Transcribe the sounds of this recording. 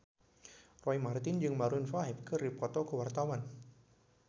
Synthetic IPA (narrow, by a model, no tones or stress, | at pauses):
rɔjmart̪ind͡ʒɨŋmaɾunfaɦɛp̚kʰɨɾipɔt̪okʰɔwart̪awan